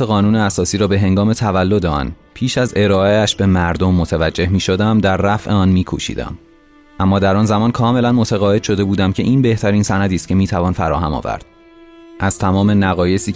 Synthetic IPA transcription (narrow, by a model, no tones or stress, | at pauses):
eɣɒːnuːneæsɒːsiːɾɒːbe̞ɦe̞ŋɡɒːme̞t̪ʰævælːo̞d̪eɒ̰npʰiːʃæze̞ɾɒːeæʃbe̞mæɾd̪omːot̪ʰævæd͡ʒːe̞hmiːʃod̪æmd̪æɾːæfʔe̞ɒːnmiːkʰṵʃḭːd̪æ̰m | ʔæmːɒːd̪æɾɒnzæmɒːnkʰɒːme̞lænmo̞t̪ʰæɣɒːje̥ʃo̞d̪e̞buːd̪æmcʰe̞ʔiːnbe̞ht̪ʰæɾiːnsænæd̪iːst̪̚cʰe̞miːt̪ʰævɒːnfæɾɒ̰ːɦæ̰mɒ̰ːvæ̰ɾd̪̥ | ʔæz̥t̪ʰæmɒːme̞næɣɒːje̞siː